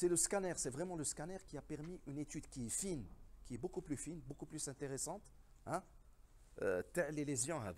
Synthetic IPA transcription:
sɛləskanɛʁsɛvʁɛmɑ̃ləskanɛʁkiapɛʁmiʔynet̪yd̪kiɛfinkʲiɛbokuplyfinbokuplysɛ̃t̪eʁɛsɑ̃t̪ | ɛ̃ | ø̰t̪ɛlelezjɔ̃ɛ̰

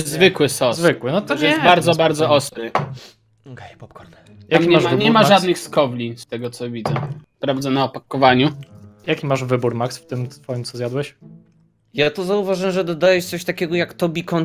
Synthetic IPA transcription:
zvɘkwɘsɔzvɘkwɘnɔt̪ɔjɛst̪baɾd̪zɔbaɾd̪zɔɔst̪ɾɘ | kɛjpɔpkɔɾd̪ | jakʲimaʐavɲɛmaʐad̪nɘxskɔvlʲist̪ɛɡɔt̪sɔvʲid̪zɛ | pɾavd̪ɛnaɔpakɔvaɲujakʲimaʐvɘbuɾmaksft̪ɘmfɔjimtsɔzjad̪wɛɕ | jat̪uzauvaʐɛɛʐɛd̪ɔd̪ajɛʂt̪sɔɕt̪akʲɛɡɔjakt̪ɔbʲikɔn

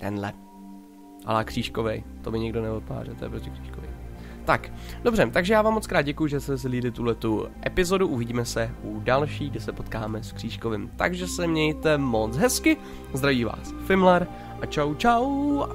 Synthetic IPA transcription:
t̪ɛ̰nlɛ̰ | ʔa̰lakr̝̥iːʃkovɛjt̪o̞mɪɲɛɡdo̞nɛvot̪a̰ːrɛt̪ojɛ̰pɾoscɛkr̥i̥ːʃkovɛ̰jt̪akdobrɛt̪aɡʒɛjaːvaːmːot͡skɾaːd̪̚ɟɛkujuʒɛsɛs̬liːdɪt̪uɦlɛt̪uʔɛpɪzo̞duʔuvɪɟiːmɛsɛʔudalʃiːɡdɪsɛpo̞t̪kaːmɛskr̥iːʃkovɪmt̪a̰ɡʒɛsɛmɲɛjt̪ɛmot͡sɦɛskɪ | zd̪ɾaviːva̰ːs | fɪmlɛɾ | ʔat͡ʃawt͡ʃaw

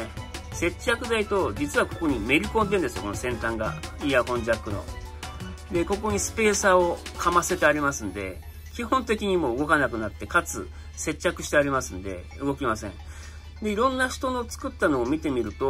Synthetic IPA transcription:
se̞t͡ɕːakɯ̟d̪ait̪o̞d͡ʑit͡sɨβako̞ko̞ɲ̟ime̞ɾʲikõ̞nd̪ẽnd̪eɨjo̞ko̞nosẽ̞nt̪ãŋɡa̰iːakõ̞ɲd͡ʑakːɯ̟no̞̰ | d̪e̞ko̞ko̞ɲ̟isɨ̥pe̞ːsaokʰamase̞t̪eaɾʲimasɨ̃nd̪e̞̰ | kʲiɦõ̞nt̪e̞kʲiɲ̟imo̞ːɯ̟ɡo̞kanakɯ̟nat̪ːe̞kat͡sɨ̰ | se̞t͡ɕːakɯ̟ɕi̥t̪e̞aɾʲimasɨ̃nd̪e̞̰ | ɯ̟ɡo̞kʲimasẽ̞̰ɴ | d̪e̞iɾõ̞nːaɕi̥t̪o̞no̞t͡sɨ̥kɯ̟t̪ːano̞ːmʲit̪e̞mʲiɾɯ̟t̪o̞

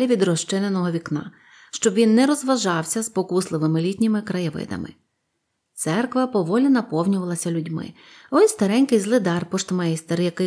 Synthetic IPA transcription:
lʲiʋʲid̪rɔʃt͡ʃɪnenɔɦɔʋʲiknɑ̰ | ʃt͡ʃɔbʋʲinːɛɾɔzʋɐʒɑwsʲɐzpɔkuslˠɪʋɪmɪlʲitʲnʲɪmɪkɾɐjɪʋɪ̰d̪ɐ̰mɪ̰ | t̪sɛrkʋɐpɔʋɔlʲnɛnɐpɔwnʲʊʋɐlˠɐsʲɐlʲʊdʲmɪ̰ | ɔjʲst̪ɐɾɛnʲkɪjzlˠɪd̪ɑrpɔʃt̪mɛɛst̪eɾjɐkɪ

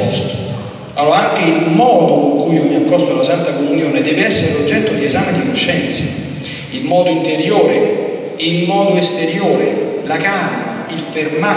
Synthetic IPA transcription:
ɔst̪o̥ | alːoːɾaaŋkeilmɔːd̪okoŋkujiomiakːɔst̪olasant̪akomunjoːned̪ɛːveɛsːeɾelod͡ʒːɛt̪ːod̪iezaːmed̪inoʃːɛnt̪se | ilmɔːd̪oint̪eɾjoːɾe | ilmɔːd̪oest̪eɾjoːɾelakaːɾbailferma

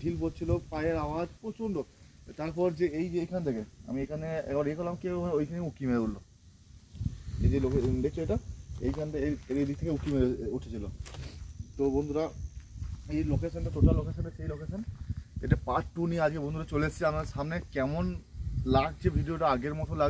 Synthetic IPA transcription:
ɖʱilpott͡ɕʰilopajeɾawad͡ʑpɾot͡ɕʰonɖot̪aɾpɔɾd͡ʑeejd͡ʑejkʰant̪ʰekea̰miekʰaneɛbaɾeekoɾlamkeojkʰaneeukimeleolːo | ed͡ʑelokeɖet͡ɕʰoeʈaḛjkʰant̪aeeɾed̪ikt̪ʰekeukimeeuʈʰe̥t͡ɕʰilo | t̪obond̪ʱuɾa | ejlokeʃonʈat̪oʈalokeʃonʈaʃejlokeʃonḛʈapaʈːuniead͡ʑɡebond̪uɾat͡ɕoleat͡ɕʰiamaʃamnekɛmonlaɡ̚d͡ʑebʱiɖioʈaaɡeɾmɔt̪ʰolaɡ

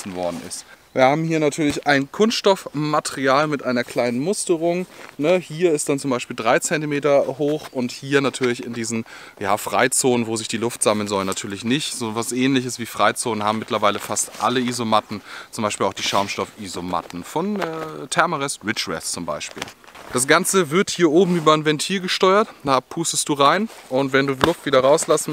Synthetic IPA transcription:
sn̩vɔɐdn̩ɪ̰stviːɐhaːbm̩hiːɐnatʰyːɐlɪçaɪnkʰʊnstʃtɔfmatʰɛʁiaːlmɪtʔaɪnɐkl̥aɪnənmʊstəʁʊŋnəhiːɐɪst̚d̥ant͡sʊmbaɪʃpiːldʁaɪt͡sɛntimeːtɐhoːxʔʊnthiːɐnatʰyːɐlɪçɪndiːzn̩ | jaːfʁ̥aɪt͡soːnənvoːzɪçd̥iːlʊftz̥aməl̩nzɔlnːatʰyːɐlɪçnɪçtz̥oːvasʔɛːnlɪçəsv̥iːfʁ̥aɪt͡soːnənhaːbm̩mːɪtlɐvaɪləfastʔa̰ləizomatn̩t͡sʊmbaɪʃpiːlaʊd̥iːʃaʊmʃtɔfʔizoma̰tn̩fɔnɛtʰɛɐmoʁɛstʁɪt͡ʃvɛ̰st͡sʊmba̰ɪʃpḭːld̥as̬ɡ̥ant͡səvɪɐthiːɐʔoːbm̩yːbɐɪnvɛntʰiːlɡəʃtɔʏɐtd̥aapʰuːstəstd̥uːʁaɪnʔʊntvɛnduːlʊkv̥iːɾɐʁaʊslasn̩

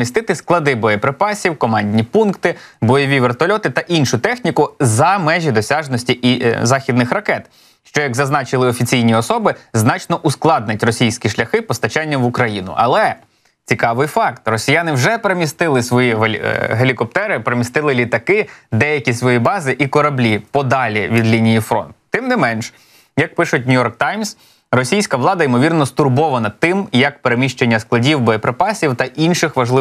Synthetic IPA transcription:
mʲist̪ɪt̪ɪsklˠɐd̪ɪbɔjɛpɾɪpɑsʲiwkɔmɑnʲdʲnʲipunkt̪ɪ | bɔjɔʋʲiʋert̪ɔlʲɔt̪ɪt̪ɐʔinʃʊt̪ɛxnʲikʊzɐmɛʒʲid̪ɔsʲaʒnɔsʲtʲiʔizɑxʲid̪nɪxɾɐkɛt̪ | ʃt͡ʃɔjɐɡzɐznɑt͡ʃɪlˠɪɔfʲit͡sʲijnʲiɔsɔbɪznɑt͡ʃnɔʔusklˠɑd̪̚nɪtʲrɔsʲijsʲkʲiʃlʲɐxɪpɔst̪ɐt͡ʃɛnʲːɐmʋʊkɾɐjinʊ̰ʔɐlˠɛ | t͡sʲikɑʋɪjfɑkt̪rɔsʲijanɪwʒɛpeɾemʲist̪ɪlˠɪsʋɔjiɦelʲikɔpt̪ɛɾɪpeɾemʲist̪ɪlˠɪlʲit̪ɐkɪd̪ɛjɐkʲisʋɔjibɑzɪʔikɔɾɐblʲipɔd̪ɑlʲiʋʲid̪lʲinʲijifɾɔ̰nt̪t̪ːɪmnɪmɛnʃ | jɐk̚pɪʃʊtʲnʲʊjɔrk̚t̪ɑjms | rɔsʲijsʲkɐʋlˠɑd̪ɐimɔʋʲirnɔst̪ʊrbɔʋɐnɐt̪ɪmjɐkpeɾemʲiʃt͡ʃenʲːɐsklˠɐdʲiwbɔjepɾepɑsʲiwt̪ɐʔinʃɪxʋɐʒlˠɪ

